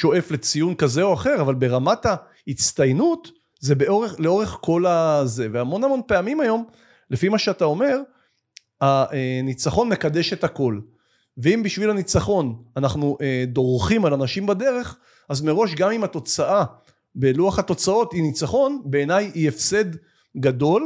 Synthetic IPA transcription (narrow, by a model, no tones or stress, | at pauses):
ʃo̞ʔe̞fle̞t͡sijunkaze̞o̞aχe̞ʁavalbe̞ʁamata | hit͡st̪ajnut | ze̞beoʁeχleo̞ʁe̞χko̞laze̞veamo̞nhamo̞npe̞amimajo̞m | lefimaʃeatao̞me̞ʁ | aenit͡saχo̞nme̞kad̪e̞ʃe̞thako̞l | veimbiʃvilanit͡saχo̞nanaχnuʔed̪o̞ʁχimalanaʃimbade̞ʁe̞χ | azme̞ʁo̞ʃɡamimato̞t͡saʔa | beluaχhato̞t͡sao̞tinit͡saχo̞nbe̞ːnajiefse̞d | ɡado̞l